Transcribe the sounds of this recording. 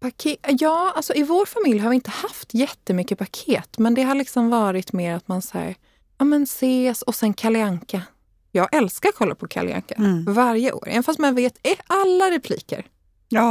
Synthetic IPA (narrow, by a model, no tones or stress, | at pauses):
pakʰeːjɑːalsɔɪvoːɾfamɪljhaɾvɪɪnt̪əhaft̪jɛt̪ːəmʏkːəpʰakʰeːt̪mɛnd̪ɛɦaɭɪksɔmvɑːɾɪt̪meːɾat̪mansahæ̰ːɾ | ɑːmɛnseːsɔsɛnkʰalɪaŋka | jɑːɡʔɛlskaɾkʰɔlːa̰pʰɔkʰa̰lɪ̰a̰ŋkavaɾjəʔo̰ːɾʔɛ̰nfast̪manveːt̪ɛalːaɾɛpʰlḭːkə̰ɾ